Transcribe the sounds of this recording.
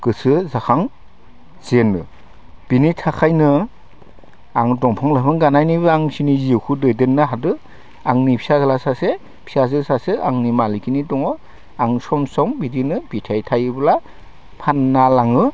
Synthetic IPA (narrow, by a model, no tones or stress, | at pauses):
kɯsɯzakʰaŋ | zenːɯ | b̥initʰakʰajnɯ | aŋdɔŋpʰɯŋlapʰɯŋɡanajnibaŋsiniziwkʰudɔjdenːɯɦadɯ | aŋnipʰi̥sazlasase | pʰisazɯsasea̰ŋnimalikʰinitɔŋɔ | aŋsɔmsɔŋbidinɯbitʰajtʰajɯbla | pʰanːalaŋɯ